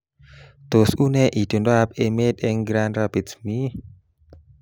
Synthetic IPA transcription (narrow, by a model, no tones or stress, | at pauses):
d̪̥osunɛʔid̪̥ondap̚emet̪ɛŋɡɾanrab̥itsmi